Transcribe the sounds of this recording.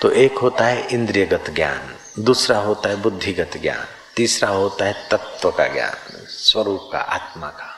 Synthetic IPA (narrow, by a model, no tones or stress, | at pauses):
t̪oʔeːkɦoːt̪aɦɛʔɪ̃nd̪ɾijəɡət̪ɡja̰ːn | d̪uːsɾaɦoːt̪aɦɛbʊd̪ʱːiɡət̪ɡja̰ːn | t̪iːsɾaɦoːt̪aɦɛt̪ɐt̪wəka̰ɡja̰ːn | swɐɾuːp̚ka̰ʔa̰ːt̪makḁ